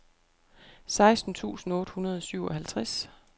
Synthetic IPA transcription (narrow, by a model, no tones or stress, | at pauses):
sɑ̈ɪsd̥n̩t͡sʰṵːsn̩ɔ̽ːd̥hunɐð̞ˠɒ̽syʊɒ̽hælt͡sʰʁas